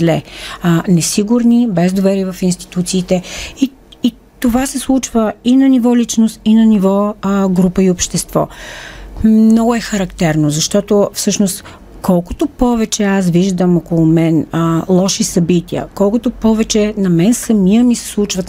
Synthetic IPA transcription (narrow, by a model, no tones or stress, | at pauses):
lɛ | nɛsiɡʊɾnibɛzd̪ovɛɾiːvɐfinst̪i̥t̪ut̪siːt̪ɛi | i | t̪ovasɛslˠut͡ʃvəinɐnivɔlit͡ʃnost̪inɐnivɔɡɾupəiopʃt̪ɛst̪vɔ̰ | mnɔɡʊɛxɐɾɐkt̪ɛɾnozɐʃt̪ɔt̪ofsɤʃnost̪ | kɔlˠko̥t̪opɔvɛt͡ʃɛasviʒd̪əmɔkolˠomɛnlˠɔʃisɐbit̪iə̰kɔlˠkʊt̪opɔvɛt͡ʃɛnɐmɛnsɐmijəmisɛ̥slˠut͡ʃvət̪